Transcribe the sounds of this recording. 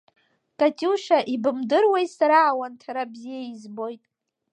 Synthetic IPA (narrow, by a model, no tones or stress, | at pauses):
kʼatʼiʃaʔibɨmdɨrwejsaɾaːwantʰaɾabzijeizbo̞jtʼ